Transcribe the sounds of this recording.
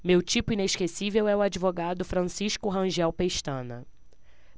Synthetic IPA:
mewt͡ʃipʊĩneʃkesivewɛʊad͡ʒivoɡad̪ʊfɾɐ̃siʃkʊɦɐ̃ʒɛwpeʃt̪ɐ̃nɐ̰

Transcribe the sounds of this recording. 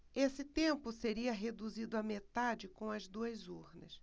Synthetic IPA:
esɪt̪ẽmpʊseɾiɐɦed̪uzid̪ʊɐmet̪ad͡ʒɪkõw̃ɐzd̪uɐzuɾnɐ̰s

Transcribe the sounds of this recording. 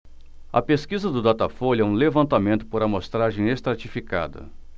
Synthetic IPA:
ɐ̰peskizɐd̪ʊd̪at̪afolɛũlevɐ̃nt̪amẽnt̪ʊ̥poɾɐmost̪ɾaʒẽj̃est̪ɾat͡ʃifika̰d̪ɐ̰

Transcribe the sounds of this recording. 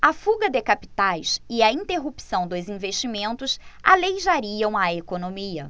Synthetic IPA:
ɐfuɡɐd̪ekapi̥t̪ajsɪɐĩnt̪eɦupsɐ̃w̃d̪ʊzĩveʃt͡ʃimẽnt̪ʊsa̰lejʒaɾiɐ̃w̃ɐekonõmiɐ

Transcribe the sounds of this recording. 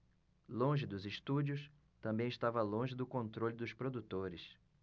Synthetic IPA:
lõʒɪd̪ʊzɪʃt̪ud͡ʒiʊs | t̪ɐ̃mbẽj̃ɪʃt̪avɐlõʒɪd̪ʊkõnt̪ɾolʲɪd̪ʊspɾod̪ut̪oɾɪs

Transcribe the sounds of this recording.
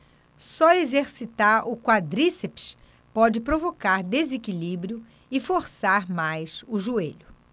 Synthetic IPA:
sɔezeɾsit̪aɾʊkwad̪ɾisepi̥s | pɔd͡ʒɪpɾovokaɾd̪ezekilibɾjʊ | ɪfoɾsaɾmajsʊʒueʎʊ

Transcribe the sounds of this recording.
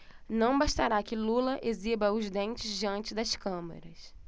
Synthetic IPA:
nɐ̃w̃baʃt̪aɾakɪlulɐʔezibɐʊzd̪ẽnt͡ʃɪzd͡ʒiɐ̃nt͡ʃɪd̪ɐskɐ̃mḛɾɐs

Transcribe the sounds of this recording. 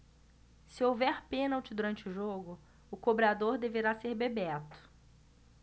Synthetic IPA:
sɪowvɛɾpẽnawt͡ʃɪd̪uɾɐ̃nt͡ʃɪʊʒoɡʊ | ʊkobɾad̪oɾd̪eveɾaseɾbebɛt̪ʊ̥

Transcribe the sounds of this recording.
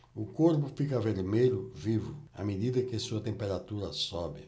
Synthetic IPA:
ʊkoɾpʊfikɐveɾmeʎʊvivʊa̰med̪id̪ɐkɪsuɐt̪ẽmpeɾat̪uɾɐsɔbɪ

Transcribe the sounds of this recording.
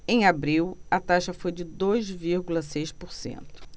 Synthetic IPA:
ẽj̃abɾiwɐt̪aʃɐfojd͡ʒɪd̪ojzviɾɡulɐsejʃpoɾsḛ̃nt̪ʊ̥

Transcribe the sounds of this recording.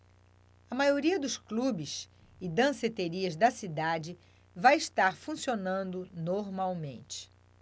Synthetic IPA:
ɐmajoɾiɐd̪ʊsklubɪs | ɪd̪ɐ̃set̪eɾiɐzd̪ɐsid̪ad͡ʒɪ | vãjɪʃt̪aɾfũsionɐ̃nd̪ʊnoɾmawmḛ̃nt͡ʃɪ̥

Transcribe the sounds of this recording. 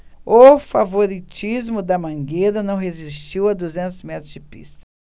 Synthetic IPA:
ʊfavoɾit͡ʃizmʊd̪ɐmɐ̃ŋɡeɾɐnɐ̃w̃ɦezist͡ʃiwɐd̪uzẽnt̪ʊzmɛt̪ɾʊzd͡ʒɪpḭst̪ɐ̥

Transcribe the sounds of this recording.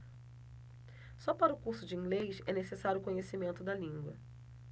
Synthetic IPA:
sɔpaɾɐʊkuɾsʊd͡ʒɪĩŋɡlejsɛnesesaɾjʊkõɲesimẽnt̪ʊd̪ɐlĩŋɡwɐ̰

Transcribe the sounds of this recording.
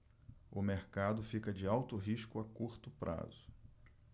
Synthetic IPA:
ʊmeɾkad̪ʊfikɐd͡ʒɪawt̪ʊɦiʃkʊakuɾt̪ʊpɾʔa̰zʊ

